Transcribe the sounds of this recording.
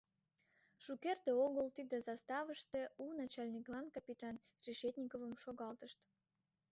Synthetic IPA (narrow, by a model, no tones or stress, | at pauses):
ʃukerd̪eoɣəlt̪id̪ĕzɑst̪ɑvəʃt̪ĕunɑt͡ɕɑlʲnʲiklˠɑnkɑpʲit̪ɑn | reʃet̪ʲnʲikovəmʃoɣɑlt̪əʃt̪